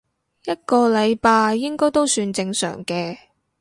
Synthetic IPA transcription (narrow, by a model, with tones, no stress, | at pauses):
jɐ˥t̚kɔː˧lɐ˨˧jpaː˧jːɪ˥ŋkɔː˥jt̪o˥wsyː˧nt͡sɪ˧ŋsœ̰ː˨˩ŋkɛː˧